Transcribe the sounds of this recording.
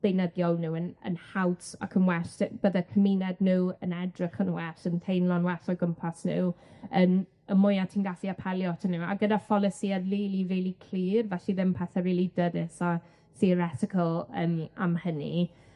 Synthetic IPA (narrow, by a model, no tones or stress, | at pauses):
d̥ejnəðjɔnuːənə̰nhawta̰kʰənwɛʃtb̥ədakʰəminɛdnuːənɛdrəkʰənwɛɬəntʰejnlɔnwɛsɔɡəmpʰasnṵːən | əmʊjatʰiːnɡafiapʰɛljɔtʰanuːa̰ɡədafɔlˠəsiadliːlˠiviːlˠikʰl̥iːrvɛɬiðɪmpʰɛθɛɾiːlˠidədɪsɔ | θiəɾɛtɪkʰəlˠə̰ma̰mhənḭ